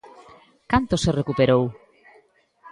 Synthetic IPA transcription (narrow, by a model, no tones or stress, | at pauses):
kant̪oserekupeɾow